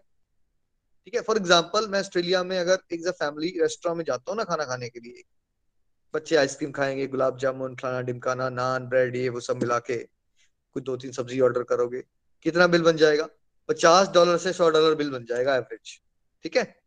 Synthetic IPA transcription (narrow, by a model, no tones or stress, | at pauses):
ʈʰiːkɦɛfɔːɾɪɡzãːmpəlmɛ̃ɐsʈɾeːlijamẽɐɡəɾeːkzafɛːmɪliɾɛːsʈɾãmẽd͡ʒaːt̪aɦũnakʰaːnakʰaːnekelieː | bɐtːʃeaːɪskɾiːmkʰaːẽːŋɡeɡʊlaːb̚d͡ʒaːmõːnkʰlaːnaɖɪmkaːnanaːnbɾɛːɖieʋosɐbmɪlaːke | kʊt͡ʃd̪oːt̪̬iːnsɐbziɔːɾɖəɾkɐɾoːɡeː | kɪt̪nabɪlbɐnd͡ʒaːeːɡaː | pɐt͡ʃaːsɖɔːləɾsesɔːɖɔːləɾbɪlbɐnd͡ʒaːeːɡaɛʋəɾɪd͡ʒ | ʈʰiːkɛː